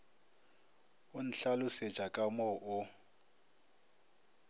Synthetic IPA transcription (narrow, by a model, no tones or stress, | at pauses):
ʊn̩ɬalʊse̥t͡ʃʼakʼamɔʔʊ